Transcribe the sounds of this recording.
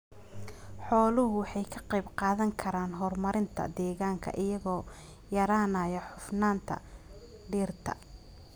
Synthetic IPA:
ħɔːlʊɦʊwħɑjkʰɐqɑjbqɑːðɐŋkʰɐɾaːnɦɔrmɐɾɪnt̪ʰɐ̰d̪ɛːɣaːŋkʰɐ̰ʔɪjɐɣɔː | jɐɾaːnɐːjɐħʊfnaːnt̪ʰɐ̰ | ɖiːrt̪ʰɐ̰

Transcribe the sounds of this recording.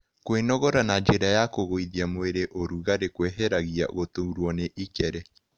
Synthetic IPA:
kwenɔɣɔɾanad͡ʒeɾajakoɣoiðiamweɾeʔoɾuɣaɾekweɦɛɾaɣia̰ɣotouɾwɔneʔikɛɾɛ

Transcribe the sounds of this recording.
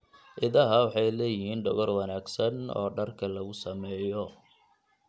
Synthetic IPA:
ʔɪðɐɦɐwɑħɑjlɛːjɪɦiːnɖɔɣɔrwɑnaːɡsɐnɔ̰ːɖɐrkʰɐlɐɣʊsɐmɛːjɔ

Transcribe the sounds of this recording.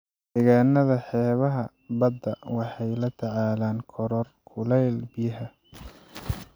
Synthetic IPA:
d̪̥ɛːɣaːnɐðɐħɛːβɐɦɐ | bɐd̪ːɐwɑħɑjlɐt̪ʰɑʕaːlaːnkʰɔɾɔrkʰʊlɛjlbɪjɐɦɐ

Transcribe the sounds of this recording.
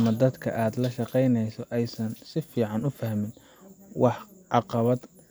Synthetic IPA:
mɐd̪ɐd̪kʰɐ̰ʔaːd̪lɐʃɑqɛjnɛjsɔʔɛjsɐnsɪfiːʕɑnʊfɐhmɪn | wɑħʕɑqɑβɐd̪

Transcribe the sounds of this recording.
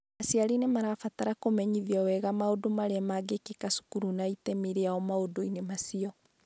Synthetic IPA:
asiaɾinemaɾafataɾakomɛɲiðjɔwɛɣamaodomaɾeamaɡekekasu̥kuɾunaitɛmiɾeaɔmaodoinemasiɔ

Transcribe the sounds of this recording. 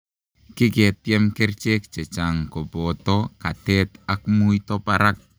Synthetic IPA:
kiket̪ːɛmkɛrt͡ʃek̚t͡ʃet͡ʃaŋkobotokatet̪ak̚mujtopaɾak̚

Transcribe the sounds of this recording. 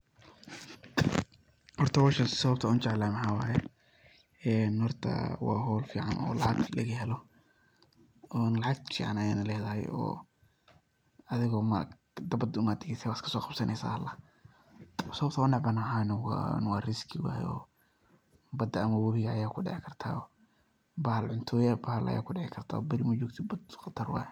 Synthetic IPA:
hɔrt̪ʰɐwaːʃɐsɐβɐbt̪ʰɐʊnt͡ʃɛʕlaːmɐħaːwaːjɛ | ɛːnhɔrt̪ʰɐ̰wɑ̰ːɦɔːlfiːʕa̰nɔ̰ːlɑʕɑɡlɐɣɐɦɛlɔ | ɔːnlɑʕɑɡ̚t̪fḭːʕanɐjaːnɐlɛːðɐɦɛ̰jɔ̰ː | ɐðɪɣɔːma | d̪ɐbɐd̪ʊmaːd̪ɪɡɛsɛwaskʰɐ̥sɔːqɑbsɐnʔɛsa̰ːɐlːɐ | sɐbt̪ʰwnɑʕbɐnaːʕaːnɪw̰nwɑːrɪskʰɪwa̰ːjɔ̰ː | bɐd̪ɐːmɐwɐβɪɣɐːjaːkʰʊɖɪ̰ʕɪkʰɐrt̪ʰa̰ː | bɐhɐlʕʊnt̪ʰɔːjabɐhɐlʔɐ̰ja̰ːkʰʊɖɛʕɪkʰɐrt̪ʰa̰ːɔbɐɾɪmɐd͡ʒɔːɡt̪ʰɪbɐd̪qɑt̪ʰɐrwɑ̰ːj

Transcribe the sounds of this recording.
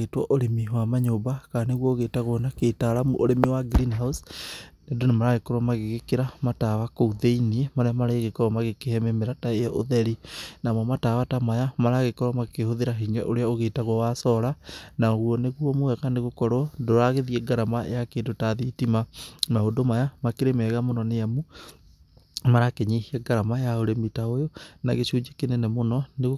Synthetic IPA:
ɣetwɔʔoɾemiwamaɲobakaneɣwɔoɣeːtaɣwonaketaɾamoɾemiwaɡɾinɦausnedonemaɾaɣekɔɾwamaɣeɣekeɾamatawakouðeiniemaɾeamaɾaeeɣekɔɾwamaɣekehɛmemeɾataejɔʔoðɛɾinamɔmatawatamajamaɾaɣekɔɾwamakehoðeɾaɦiɲɛʔoɾeaoɣeːtaɣwwasɔɾanaoɣuɔneɣuɔmowɛɣaneɣokɔɾɔdoɾaɣeðiɛɡaɾamajakeːdotaðitimamaodomajamakeɾemɛːɣamonɔneamu | maɾakeɲehiɛɡaɾamajaoɾemitaojonaɣeɕuːd͡ʒekenenɛmonɔneɣ

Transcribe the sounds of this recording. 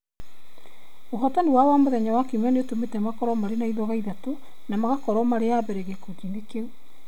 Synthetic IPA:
oɦɔtaniwawamoðɛɲawakimɛneotometɛmakɔɾɔmaɾenaiðɔɣaiðato | namaɣakɔɾɔmaɾeabɛɾɛɣekod͡ʒiŋɡekeu

